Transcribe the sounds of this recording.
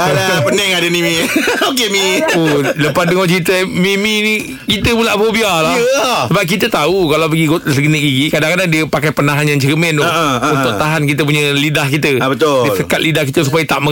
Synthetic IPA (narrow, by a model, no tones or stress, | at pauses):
abaəpənɛŋadənimiokemioləpat̚dəŋɔht͡ʃit̪əmimini | kit̪əbulaʔfobialasəbap̚kit̪ət̪aukalawpəɡiɡosəɡənəɡiɡikadaŋkadaŋdiəpakajpənaɦanjaŋt͡ʃɾimɛnunʊʔt̪aɦankit̪əp̬uɲəlidahkit̪əbət̪ʊdisəkat̪̚lidahkit̪əs̬upajat̪aʔmə